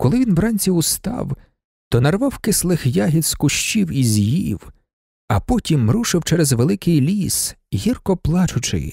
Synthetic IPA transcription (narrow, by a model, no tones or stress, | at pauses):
kɔlˠɪʋʲinʋrɑnʲsʲiʊst̪ɑ̰w | t̪ɔnɐrʋɑwkɪslˠɪxjaɦʲit̪skʊʃt͡ʃiwizʲjiw | ɐpɔtʲimːɾuʃɪwt͡ʃɛɾɛzʋelˠɪkɪjlʲisɦʲirkɔplˠɑt͡ʃʊt͡ʃɪ̰j